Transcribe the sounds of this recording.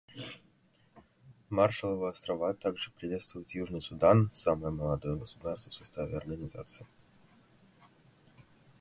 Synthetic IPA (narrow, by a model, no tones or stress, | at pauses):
marʂəlˠəvoɐst̪ɾɐvat̪aɡʐɨpɾʲɪvʲe̞t̪st̪vʊjɪt̪juʐnɨjsʊd̪ansaməjəməlˠɐd̪ojəɡəsʊ̥d̪arst̪və̥fsɐst̪avʲɪɐ̰rɡənʲɪza̰t̪sɨɪ